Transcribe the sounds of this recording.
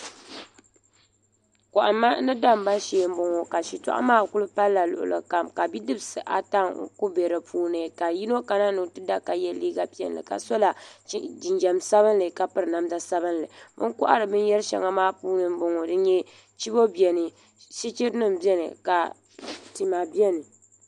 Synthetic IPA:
kɔ˨ʔa˨mːa˦nɨ˦da˦m˨˦ba˦ʃeː˨˦˨m̩˦bo˨ŋo˨ka˨ʃi˨ta̰˦ʔa̰˦maː˦˨kʊ˦lɨ˦pa˦lːa˨lʊ̰˨ʔʊ̰˨lʔɨ̰˨ka˨mka˨bi˦dɨ˦bsɨ˨ʔa̰˨ta˦ŋ˨ku˦bɛ˨ɾɨ˨pʰuː˦nɨ˨ka˨ji˦no˦ka˨na˦nɨ˨tɨ˦da˦ka˨jɛ˦liː˦ɡa˨pi˦ɛ̰˨nlɨ̰˨ka̰˨so˦la˨˦d͡ʒi˨nd͡ʒɛ˨msa˦βɨ˦nlɨ˨ka˨pɨ˦ɾɨ˨na˨mda˦sa˦bɨ˦nlɨ˨bɨ˦kʊ˦ʔa̰˦ɾɨ˨bɨ˦njɛ˦ɾʃɛ̰˨ŋa˦maː˦puː˦nɨ˨m̩˦bo˨ŋo˨dɨ˦ɲɛ˦ | t͡ʃi˦bo˦bɛ˨nɨ˨ | ʃi˦t͡ʃi˦ɾnɨ˦˨m˨bi˦ɛ˦nɨ̰˨ka˨ | ti˨ma˨bi˦ɛ˦nɨ˨

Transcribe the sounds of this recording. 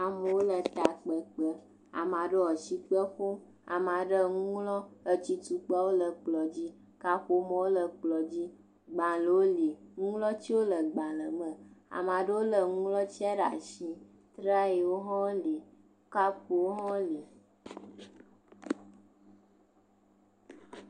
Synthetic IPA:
a˨mə˨wo˦lə˨t̪a˨k͡pə˨k͡pə˦ | a̰˨mã˨ɖə˦ɔ˨t͡ʃi˦k͡pə˦xo˦ | a̰˨mã˨ɖə˦˨ŋũ˦lɔ˦ə˦t͡ɕi˦t̪u˨k͡pa˦wo˦lə˨k͡plɔ˨d͡ʑi˦ | ka˦ɸo˦mə̃˨˦wo˦lə˨k͡plɔ˨d͡ʑi˦ | ɡ͡bã˨lə˨wo˦li˨ŋũ˦lɔ˦t͡ɕi˦wo˦lə˨ɡ͡bã˨lə˨mə̃˨a̰˨mã˨ɖə˦wo˦lə˨ŋũ˦lɔ˦t͡ɕi˦a˦ɖa̰˨ʃĩ˦ | t̪ɾa˦je˨wo˦ɦɔ̃˦li˨˦ | ka˦ɸo˨wo˦ɦɔ̃˦li˨

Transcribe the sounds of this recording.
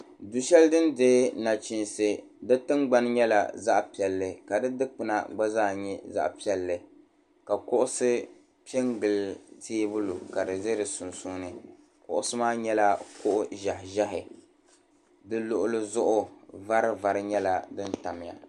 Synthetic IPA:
du˨ʃɛ˦ldɨ˦ndeː˦na˨t͡ʃi˨nsɨ˨ | dɨ˦tɨ˦ŋɡ͡ba˦n˦ɲɛ˦la̰˨za˦ʔpi˨ɛ˨lːɨ˨ka˨dɨ˦dɨ˦k͡pɨ˨na̰˨ɡ͡ba˦zaː˦˨ɲɛ˦za̰˦ʔpi˦ɛ˨lːɨ˨ | ka˨kʊ˦ʔʊ˦sɨ˦ | pɛ˦ŋɡɨ˨lzeː˦bʊ˦lu˨ka˨dɨ˨ze˦ɾɨ˨sʊ˨nsu˦nɨ˦ | kʊ̰˨ʔʊ˦sɨ˦maː˦ɲɛ˦la˦kʊ˦ʔʊ˦ʒa˨hʒa˦ɦɪ˨ | dɨ˦lʊ˨ʔʊ˦lɨ˦zʊ˦ʔʊ˦va˦ɾɨ˦va˨ɾɨ˦ɲɛ˦la˨dɨ˦n˦ta˨mɪ˨ja̰˨

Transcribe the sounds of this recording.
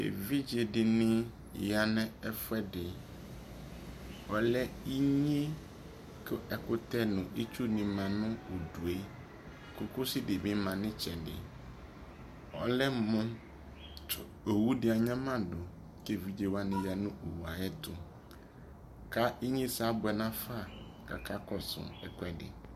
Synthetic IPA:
ḛ˨vi˦d͡ʒe˨dɪ˨nɪ̃˦ | ja˨nɛ̃˦ɛ˦fʊ˦ɛ˦dɪ˨ | ɔ˨lɛ˦i˦ɲ˦e˦ | kɪ˦ɛ˨kʊ˦t̪ɛ˦nʊ̃˨ʔi˦t͡ʃu˦nɪ̃˨mã˨nʊ̃˦o˨du˨e˦ | kʊ˨kʊ˦sɪ˦dɪ˨bɪ̃˦mã˨nɪ̃˦t͡ʃɛ˨dɪ̰˨ | ɔ̰˨lɛ˦mʊ̃˦ | ʊ˨ | o˨wu˦dɪ˦a˨ɲã˦mã˦dʊ˨ | ke˨vi˨˦d͡ʒe˨wa˦nɪ̃˨ja˨nʊ̃˦ʔo˨wu˨a˨ɛ˦t̪ʰʊ˨ | ka˦i˦ɲĩ˦sa˦bʊ˨ɛ˨nã˦fa˦˨ | ka̰˨kʰa˦kɔ˨sʊ̰˨ɛ˨kʷɛ˦dɪ̰˨

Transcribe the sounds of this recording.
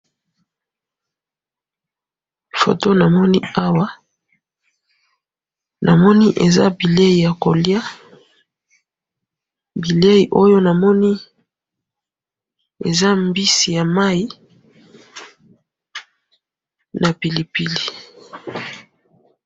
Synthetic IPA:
fo̰˨to˦na˨mɔ˦ni˦a˦wa˦ | na˨mɔ˦ni˦ʔe˨za̰˦bi˨le˦i˨ja˨ko˨lja˦ | bi˨le˦ji˨ʔo˦jo˦na˨mɔ˦ni˦ | ḛ˨za˦mbi˦si˨ja˨ma˦i˦ | na˨pi˨li˨pi˨li˨

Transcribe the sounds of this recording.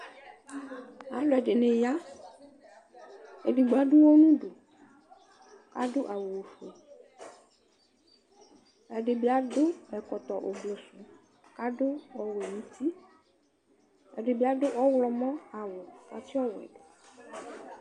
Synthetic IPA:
a˨lo˨˦ɛ˨ɖe˨nẽ˨ja˦ | e˨di˨ɡ͡ba˨˦ɖo˦wo˦nũ˦ɖo˨ | ka˦ɖo˦ʔa˨wo˨wo˨fe˨ | ɛ˨ɖe˨bi˨˦a˨ɖo˦ɛ˨kɔ˨t̪ɔ˨ʔo˨ble˨su˨ | ka˦ɖo˦ɔ˨wo˨mĩ˦t̪ʰi˦ | ɛ̰˨ɖe˨bi˨˦a˦do˦ʔɔ˦wlɔ˨mɔ̃˦a˨wo˨ka˦ti˦ɔ˦wɛ̰˨ɖe˨

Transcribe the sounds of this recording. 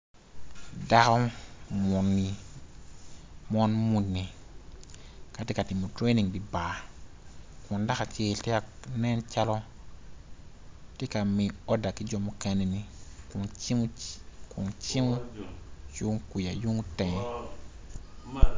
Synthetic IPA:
da˦kɔ˦mu˨nːi˨ | mɔ˦nmu˦nːi˨ | ka˨tɪ˦ka˨tɪ˨mɔ˨tɾe˦ni˨ŋdi˨ba˨ | kʊ˨nda˦ka˨t͡ʃeː˦ltɪ˦a˨nɛ˦nt͡ʃa˦lɔ˦ | tɪ˦ka˨mi˨ɔ˦da˨kɪ˦d͡ʒɔ˦mu˦kɛ˦nɛ˨ni˦kʊ˨nt͡ʃi˦m˦kʰʊ̰˨nt͡ʃi˦m˦jʊ˦ŋku˨ja˨ju˦ŋ˦tɛ̃˨˦

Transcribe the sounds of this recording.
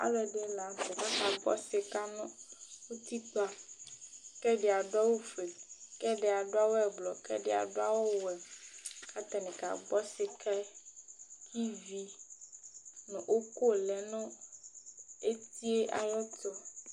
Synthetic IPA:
a̰˨lɛ˨ɖe˨˦la˨tɛ˨ka˦ka˨ɡ͡bɔ̰˦sɪ˨ka˦nɔ̃˦wo˦t̪i˦k͡pa˦ | kɛ˦ɖe˨a˨ɖa˦wo˦fe˨kɛ˦ɖe˨a˨ɖo˦a˦wo˦ɛ˨blɔ˨kɛ̰˦ɖɛ˦˨a̰˨ɖo˦a˦wo˦wɛ˨ka˦t̪a˨nɛ̃˨ka̰˨ɡ͡bɔ˦sɪ˨kʰɛ˦ | kʰi˦vi˦ | nɔ̃˨ʔo˦ko˦˨lɛ˨nɔ̃˦ | e˦t̪i˦e˦ʔa̰˨jɔ˦t̪ɔ˦

